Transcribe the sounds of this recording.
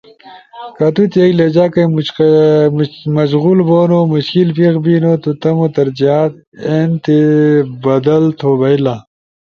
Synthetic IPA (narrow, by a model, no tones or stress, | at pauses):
kɐt̪ut̪eːkled͡ʑaːkɐmu | mɐʃɣulboːnomuɕkilpiɣbiːnoːt̪ut̪ɐmot̪ɐɾd͡ʑijaːt̪ | ent̪ebɐd̪ɐlt̪ʰobɐila